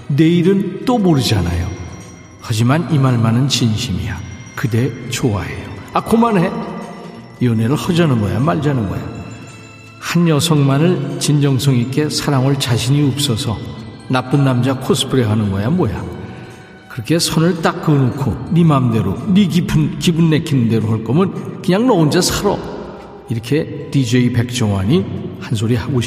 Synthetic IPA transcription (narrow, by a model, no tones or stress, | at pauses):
neiɾɯnt͈omoɾɯd͡ʑana̰jo | had͡ʑimanimaɭmanɯnt͡ɕinɕʰimḭjakɯde̞t͡ɕoa̰ɦe̞̰joakomanɦe | jʌneɾɯɭhʌd͡ʑanɯnɡʌ̰jamaɭd͡ʑanɯnɡʌ̰ja̰ | hanjʌsʰʌŋmanɯɭt͡ɕind͡ʑʌŋsʰʌŋik͈e̞sʰaɾaŋɯɭt͡ɕaɕʰiɲiop̚s͈ʌsʰʌ | nap͈ɯnːamd͡ʑakʰosʰɯ̥pʰɯɾeɦanɯnɡʌ̰jamwʌja̰ | kɯɾʌkʰe̞sʰʌnɯɭt͈ak͈̚ːɯnɯkʰonimamde̞ɾo̰niɡipʰnkibɯnːe̞kʰinɯnde̞ɾoɦʌɭk͈ʌmɯnkɯɲaŋnʌund͡ʑasʰaɾʌ̰ | iɾʌkʰe̞tid͡ʑeipe̞k̚t͡ɕ͈ʌŋwa̰ɲihans̬ʰoɾihaɡoɕʰ